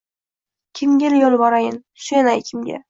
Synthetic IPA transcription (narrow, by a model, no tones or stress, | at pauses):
kʲʰɪmɡʲeljolˠbɒɾajɪn | ʃʊjanajkʲʰɪmɡʲa̰